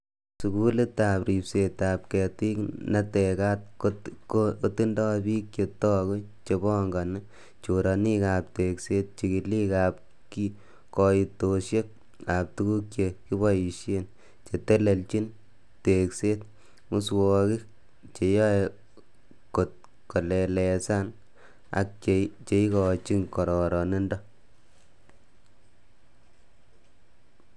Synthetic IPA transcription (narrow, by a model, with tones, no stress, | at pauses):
su˨ku˦le˦t̪a˨pɾi˨pse˨t̪ap̚kɛ˨ti˦kna˦teka˦t̚koo˦ti˦ndɔ˦bi˦k̚t͡ʃe˨tɔ˦ko˦ | t͡ʃe˧bɔ˦ŋɡa˨na | t͡ʃoɾɑni˦ka˨p̚te˨kse˦t̪̚t͡ʃi˨ki˨li˦kap̚ | ki | kɔ˨i˨toʃje˦k̚ | a˨p̚tu˦ku˦k̚t͡ʃe˨ki˦βɔ˦ji˨ʃje˦n | t͡ʃe˨te˦le˨lt͡ʃi˦n | te˨kse˦t̪̚ | mʊ˦swɔki˦ | t͡ʃe˨jɔ˦e | ko˨t̚ | kɔ˨lɛ˨lɛ˨sa˦n | a̰˨k̚t͡ʃet͡ʃe˨˦i˦kɔ˨t͡ʃi˦ŋkɔ˨ɾɔ˨ɾɔ˨ne˦ndɔ˦